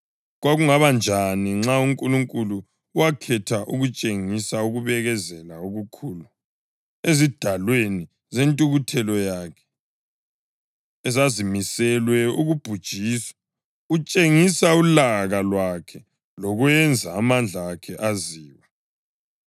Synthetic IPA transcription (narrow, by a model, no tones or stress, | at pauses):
ɣwaɣuŋaβand͡ʒʱaniŋ͡ǁauŋkʼuluŋkʼuluː | wakʰɛtʰaʔuɣut͡ʃʼeŋisauɣuβɛɣɛzɛlauɣukʰuːlu | ezid̥ʱalweni | zentʼuɣutʰɛlɔjakʰɛ̥ | ɛzazimisɛlwɛuɣub̥ʱud̥ʒ̥ʱisḁ | ut͡ʃʼeŋisaulaɣalwakʰɛ | lɔɣwɛnd͡zʱaːmand͡ɮʱakʰɛʔaziːwa